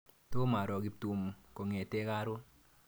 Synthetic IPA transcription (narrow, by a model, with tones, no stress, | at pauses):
to˦ma˨ɾɔ˨ɡi˧˦ptu˨mko˨ŋe˨te˦ka˦ɾʊ˦